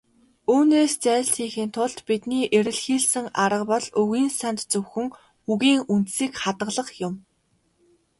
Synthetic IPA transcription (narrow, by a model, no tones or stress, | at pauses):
uːneːst͡sæːɮsiːŋxiːnt̪ʰʊɮt̪pit̪niːʔeɾɘ̆ɮxiːɮsɘ̆ŋaɾə̆qpɔɮɵɣiːnsant̪t͡sɵwxɘ̆ŋ | xuɣiːŋunt̪siːkχat̪ə̆ɮə̆χjʊm